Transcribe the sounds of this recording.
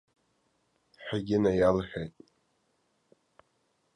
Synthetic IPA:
ħaɡʲɪnajalħʲᶣejtʼ

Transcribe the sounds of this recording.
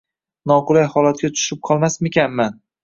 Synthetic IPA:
nɒqʊlajhɒlat̪̚kʲat̪ʰʊ̥ʃɪp̚qʰɒlˠmasmekʲanman

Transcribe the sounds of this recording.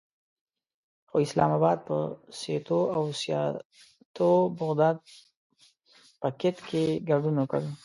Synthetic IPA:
xoɪslɑ̰mabɑd̪̚pəset̪oawsjɑ̰ | t̪obʊɣd̪ɑd̪̚ | pəkɪt̪kʰeɡaɖunoka̰ɽu

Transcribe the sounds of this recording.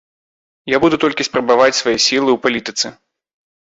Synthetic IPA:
jabud̪ut̪ɔlʲkʲispɾɐbavat͡sʲsvajɛsʲilˠɨwpalʲit̪ɨt̪sɨ

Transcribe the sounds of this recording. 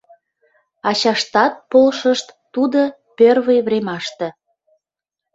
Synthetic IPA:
ɑt͡ɕɑʃt̪ɑt̪̚polʃəʃt̪ːud̪ə | pørβəjβremɑʃt̪ĕ

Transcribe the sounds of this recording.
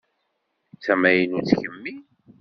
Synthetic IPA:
t͡sːæmæjənut͡sːçəmːi

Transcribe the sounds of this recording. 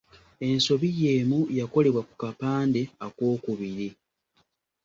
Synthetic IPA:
e̞nso̞βije̞ːmujako̞le̞βwaku̥kapaːnde̞akwo̞ːkuβiɾi

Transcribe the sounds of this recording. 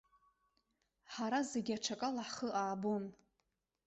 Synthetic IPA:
ħaɾazeɡʲaʈ͡ʂʰakʼalaħχəʔaːbun

